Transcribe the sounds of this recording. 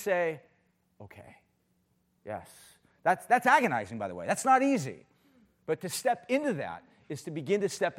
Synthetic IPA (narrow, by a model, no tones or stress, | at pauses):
seɪ | oʊkʰḛɪ | jɛ̰s | ðætsðætsæɡɨnaɪzɪ̃ŋbaɪðəwḛɪðætsnəɾizḭ | b̥ʌtʰɨstɛpɪ̃ntʉðæ̰ɾ̚ | ɨz̥tʰɨbɨɡɪ̃ntɨstɛp